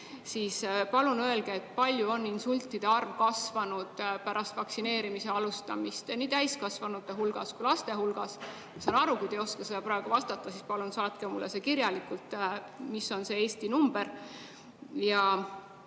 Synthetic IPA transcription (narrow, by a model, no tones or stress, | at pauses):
siːspɑlunø̞e̞lɡ̥e̞ːt̪̚ːˑpɑlʲjuo̞nːinsulʲt̪ːˑid̪̥e̞ɑrvkɑsvɑnud̪̥pæɾɑst̪vɑksine̞ːɾimise̞ɑlust̪ɑmist̪ɑniːt̪æjskɑsvɑnut̪ːe̞ɦulɡ̥ɑskujlɑst̪e̞ɦulɡ̥ɑs | jɑsɑːnɑɾukujd̪ejoskɑse̞d̪ɑpɾɑe̞ɡ̥uvɑst̪ɑt̪ˑːɑsispɑlunsɑːt̪kemulːese̞kiɾjɑlikult̪ːˑ | misːo̞nse̞e̞ːst̪inumb̥e̞ɾ | jɑ